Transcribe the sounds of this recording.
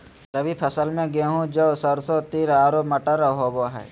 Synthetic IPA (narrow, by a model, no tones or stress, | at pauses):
ɾəbʱipʰəsəlmẽɡeɦũd͡ʒosəɾsot̪iːɾaːɾoːpmɐʈəɾəɦoːboɦɛ̰ː